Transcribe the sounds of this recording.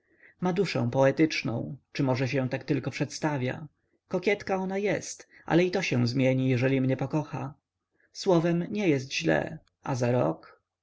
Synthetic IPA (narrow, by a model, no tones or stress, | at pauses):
mad̪uʂɛ̰̃w̃pɔɛt̪ɘt͡ʂnɔ̰̃w̃t͡ʂɘmɔʐɛɕ̬ɛ̃w̃t̪akt̪ɘlkɔpʂɛt̪st̪avʲja̰ | kɔkʲɛt̪kaɔnajɛst̪ʔa̰lɛit̪ɔɕɛw̃zmʲjɛɲijɛʐɛlʲimɲɛpɔkɔxa̰ | swɔvɛmɲɛjɛst̪ʑlɛ̰ | a̰zaɾɔ̰k